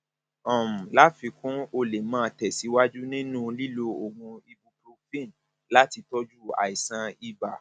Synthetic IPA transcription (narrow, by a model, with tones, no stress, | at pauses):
ɔ̃˨m̩˨la˦fi˧kũ˦o˧le˨mãː˦˧˨tɛ˨si˨˦wa˦d͡ʒu˦nĩ˦nũ˦˨li˦lo˧o˨ɡũ˧i˧bu˧pɾo˧fĩ˦˨n̩˨ | la˦ti˧tɔ˦d͡ʒu˦˨a̰˨i˨sã˧i˧ba˨